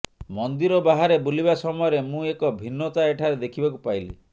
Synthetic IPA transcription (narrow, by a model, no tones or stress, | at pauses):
mɔnd̪iɾɔbaɦaɾebulibasɔmɔjɔɾemũekɔbʱinːɔt̪aeʈʰaɾed̪ekʰibakupajli